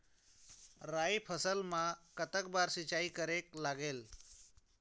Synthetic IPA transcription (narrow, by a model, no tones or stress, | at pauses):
ɾajpʰəsəlmãkət̪ək̚baɾsit͡ʃaikəɾeklaɡeːl